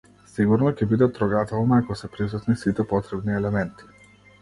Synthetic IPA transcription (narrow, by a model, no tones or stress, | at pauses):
siɡuɾnɔcɛbid̪ɛt̪ɾɔɡat̪ɛlˠnaːkɔsɛpɾisut̪nisit̪ɛpɔt̪ɾɛbniɛlɛmɛnt̪i̥